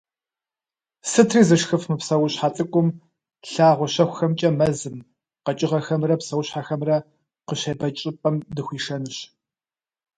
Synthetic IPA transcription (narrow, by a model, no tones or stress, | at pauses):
sɨtʰriːzɨʂxɨfmɨpsɐwʊɕħat͡sʼɨkʷʼʊm | ɬaːʁʷɔɕɐxʷʊxɐmt͡ʃʼɐmɐzɨm | qɐt͡ʃʼɪʁɐxɐmrɐpsɐwʊɕħaxɐmrɐ | qəɕɐbɐt͡ʃʼɪpʼɐmdɨxʷiːʂɐnɨɕ